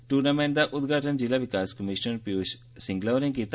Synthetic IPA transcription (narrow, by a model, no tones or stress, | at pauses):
ʈuːɾnaːmɛ̃ːɳʈ̚d̪aːʔʊt̪ɡʱaːʈənd͡ʒɪlaːʋɪkaːskəmɪʃənpjoːd͡ʒ | sɪ̃ŋɡlaːʋɾɪ̃ŋkiːt̪